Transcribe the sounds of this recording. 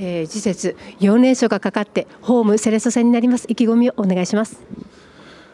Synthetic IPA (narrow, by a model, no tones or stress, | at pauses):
ed͡ʑise̞t͡sɨjo̞ːnẽ̞ɕo̞ːɡakakat̪ːe̞ | ho̞ːmɯ̟se̞ɾe̞so̞se̞ɲ̟ːinaɾʲimasɨ̥ikʲiɡo̞mʲio̞ʔone̞ɡaiɕimasɨ̥